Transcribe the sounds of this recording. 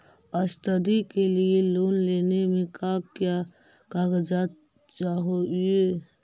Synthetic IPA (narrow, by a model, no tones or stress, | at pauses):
əst̪əd̪ikelieloːnlenemẽkakja | kaɡəd͡ʒat̪ | t͡ʃaɦoe